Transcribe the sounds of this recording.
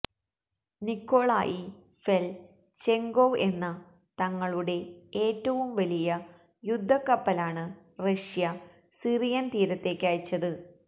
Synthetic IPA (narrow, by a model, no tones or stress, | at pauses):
nikːo̞ːɭa̰ːjʔi | fel | t͡ɕe̞ŋɡoʋe̞nːɐ | t̪ɐŋːɐɭuɽe̞e̞ːtːɐʋumʋɐlijɐ | jud̪ʱːɐkːɐpːɐlaːɳɨ | rɐʂjɐ | sirijɐnt̪iːɾɐt̪ːe̞ːkʲːaːjit͡ɕːɐðɨ